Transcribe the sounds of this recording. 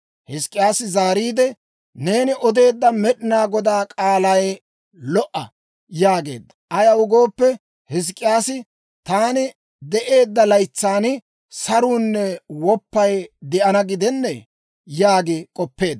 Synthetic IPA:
hɪskʼːɪjaːsɪzaːɾiːd̪ɛ | ne̞ːnɪʔɔd̪e̞ːd̪ːɐmɛɗɪnaːɡɔd̪aːkʼaːlɐj | lɔʔɐ | jaːɡe̞̰ːd̪ːɐ̥ʔɐjɐwʊɡo̞ːpːɛ | hɪs̬kʼːɪjaːsɪ | t̪aːnɪ | d̪ɛʔe̞ːd̪ːɐlɐjt͡sːaːnɪ | sɐɾuːnːɛwɔpːɐjd̪ɛʔɐnɐɡɪd̪ɛnːɛ | jaːɡɪkʼɔpːe̞ːd̪

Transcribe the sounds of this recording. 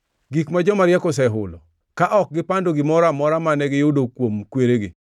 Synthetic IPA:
ɡikmad͡ʒɔmaɾjɛkɔs̬ɛɦʊlɔ̰ | kaʔɔk̚ɡɪpandoɡɪmɔɾamɔɾamanɛɡɪjʊdokwomkweɾeɡɪ̰

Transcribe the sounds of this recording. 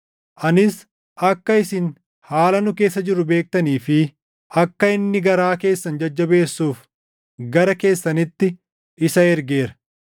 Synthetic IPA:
ʔɐnɪs | ʔɐkːɐɪsɪn | haːlɐnʊke̞ːs̬ːɐd͡ʒɪɾːʊbe̞ːk̚t̪ɐniːfɪ | ɐkːɐɪnːɪɡɐɾaːke̞ːsːɐnd͡ʒɐd͡ʒːɐbe̞ːsːuːf | ɡɐɾɐke̞ːsːɐnɪt̪ːɪ | ɪsɐɛɾɡeːɾɐ̥

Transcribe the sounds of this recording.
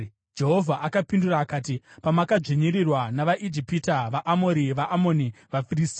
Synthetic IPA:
d͡ʒe̞ɦo̞vʱaʔakapinduraːkaːtipamakad͡ʐiɲiɾirwanaʋaʔid͡ʒipitaʋaʔamo̞ɾiʋaʔamo̞niʋafiriːsti

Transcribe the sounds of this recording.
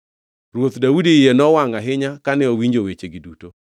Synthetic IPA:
ɾwot̪dawudijenɔwaŋaɦɪɲakanɛowiɲd͡ʒowet͡ʃeɡiduto

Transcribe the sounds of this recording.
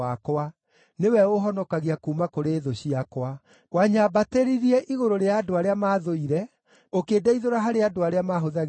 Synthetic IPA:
akoa | newɛoɦɔnɔkaɣiakumakoɾeːðoɕiakwa | ɣwaɲabateɾiɾiɛʔiɣoɾoɾeaːdoaɾeamaːðoiɾɛ | okeːdaiðoɾaɦaɾeadoaɾeamaɦoðaɣ

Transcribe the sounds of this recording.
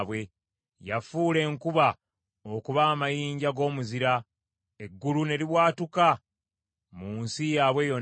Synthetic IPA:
βwe̞ | jafuːle̞ŋkuβa | o̞kuβaːmajiːɲɟaɡo̞ːmuziɾa | e̞ɡːulune̞liβwaːtuka | muːnsijaːβwe̞jo̞

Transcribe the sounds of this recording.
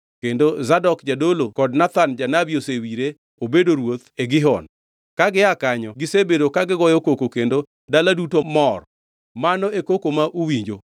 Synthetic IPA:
kendozadɔkd͡ʒadolokɔdnat̪and͡ʒanabiosewiɾe | obedoɾwot̪eɡɪɦɔ̰n | kaɡɪakaɲɔɡɪsebedokaɡɪɡɔjɔkokokendo | daladutomɔr | manɔekokomaʔuwiɲd͡ʒo

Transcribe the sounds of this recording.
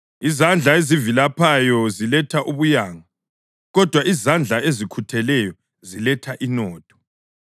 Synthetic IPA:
izand͡ɮʱaezivilapʰajɔzilɛtʰaʔuβujaːŋa | ɣɔd̥ʱwaizand͡ɮʱaezikʰutʰɛlɛjɔ | zilɛtʰaʔinɔːtʰɔ̥

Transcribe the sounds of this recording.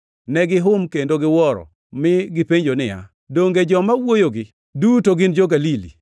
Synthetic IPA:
nɛɡɪɦʊmkendoɡɪwɔɾɔ̰ | mɪɡɪpeɲd͡ʒonɪja̰ | doŋɡed͡ʒɔmawojoɡɪ | dutoɡɪnd͡ʒoɡalilḭ

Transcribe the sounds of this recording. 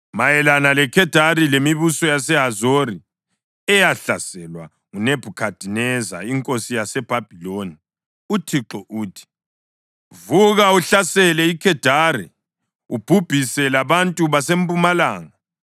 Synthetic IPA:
majɛlanalɛkʰɛd̥ʱarilemiβusɔjasɛɦazori | ɛjaɬasɛlwa̰ | ŋuneb̥ʱukʰad̥ʱinɛza̰iŋkʼosijasɛb̥ʱab̥ʱiloni | utʰiǁɔʔuːtʰi̥ | vuɣauɬasɛlɛikʰɛd̥ʱaɾḭ | ub̥ʱub̥ʱisɛlaβantʼuβasempʼumalaːŋa

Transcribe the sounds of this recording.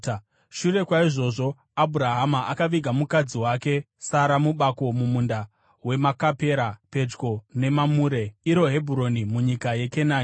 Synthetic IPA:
ʃure̞kwaiʐo̞ːʐo̞ | abʱuɾaɦamaʔakaʋiɡʱamukad͡ziwake̞ | saɾamuɓako̞mumunda | we̞makape̞ɾape̞d͡ʒɡo̞ne̞mamuɾe̞iɾo̞ɦe̞bʱuɾo̞nimuɲikaje̞kenaːn

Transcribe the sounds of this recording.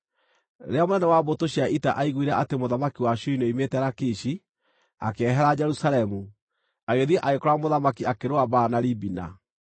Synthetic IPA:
ɾeamonɛnɛwabotoɕiaʔitaʔaiɣwiɾɛʔatemoðamakiwaɕuinoimetɛɾakiɕi | a̰keɛɦɛɾad͡ʒɛɾusalɛmu | aɣeðiɛʔaɣekɔɾamoðamakiakeɾoabaːnaɾibina̰

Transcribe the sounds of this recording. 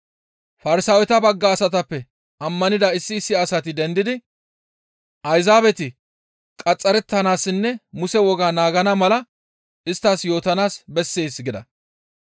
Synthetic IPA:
fɐɾɪsaːwɛt̪ɐbɐɡːaːsɐt̪ɐpːɛ | ʔɐmːɐnɪd̪ɐɪsːɪːsːɪɐsɐt̪ɪd̪ɛnd̪ɪd̪ɪ | ʔɐjzaːbɛt̪ɪ | kʼɐt͡sʼːɐɾɛt̪ːɐnaːsːɪnːɛmʊsɛwɔɡaːnaːɡɐnɐmɐlɐ | ʔɪst̪ːaːsjo̞ːt̪ɐnaːsbɛsːe̞ːsɡɪd̪ɐ̰

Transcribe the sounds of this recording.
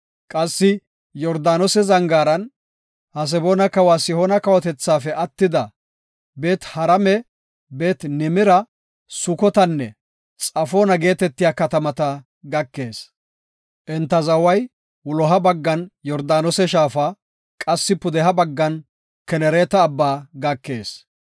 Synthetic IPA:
kʼɐsːɪ | jɔɾd̪aːnɔsɛzɐŋɡaːɾɐn | hɐs̬ɛboːnɐkɐwaːsɪhɔnɐkɐwɔt̪ɛt͡sːaːfɛɐt̪ːɪd̪ɐ | be̞ːt̪hɐɾɐmɛ | be̞ːt̪nɪmɪɾɐ | sʊkɔt̪ɐnːɛ | t͡sʼɐfoːnɐɡe̞ːt̪ɛt̪ːɪjaːkɐt̪ɐmɐt̪ɐ | ɡɐkːe̞ːs | ʔɛnt̪ːɐzɐwɐj | wʊlɔɦɐbɐɡːɐnjɔɾd̪aːnɔsɛʃaːfaː | kʼɐsːɪpʊd̪ɛɦɐbɐɡːɐn | kɛnɛɾeːt̪ɐːbːaːɡɐkːe̞ːs

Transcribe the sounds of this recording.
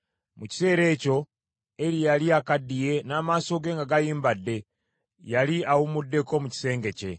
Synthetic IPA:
muci̥se̞ːɾe̞ːco̞ | eɾijaliakadije̞naːmaːso̞ɡe̞ːŋɡaɡajiːmbadːe̞ | jaliawumudːe̞ko̞muci̥se̞ːŋɡe̞ce̞̰

